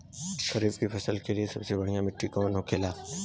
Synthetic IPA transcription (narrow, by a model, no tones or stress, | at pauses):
ʃɐɾiːfkipʰɐsəlkeliesɐbsebɐɽ̤ijãmɪʈːikɔ̃ːnɦokʰeːlaː